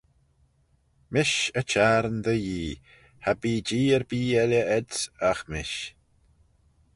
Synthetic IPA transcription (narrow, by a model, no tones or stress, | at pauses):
mɪʃət͡ʃaːɾənd̪əjiː | habiːd͡ʒiːəɾbiːɛlʲjəɛdsaxmɪʃ